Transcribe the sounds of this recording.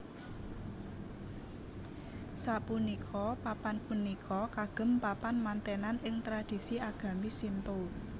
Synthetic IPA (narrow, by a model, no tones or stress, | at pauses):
sapunikʰɔpapanpunikʰɔkaɡ̥ə̤mpapanmant̪enanɪŋt̪ɾad̥i̤siaɡ̥a̤misint̪o